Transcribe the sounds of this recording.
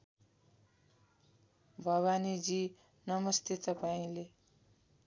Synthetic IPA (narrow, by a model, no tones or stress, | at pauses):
bʱʌβanid͡zi | nʌmʌst̪ʰet̪ʌpaĩle